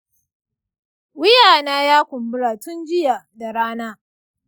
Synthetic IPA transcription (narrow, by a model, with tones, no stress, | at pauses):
wɪ˦jaː˨naː˦jaː˦kʷʊ˨mbʊ˦ɽaː˨tʊ˦nd͡ʒɪ˦ja˨da˨ɽaː˦naː˦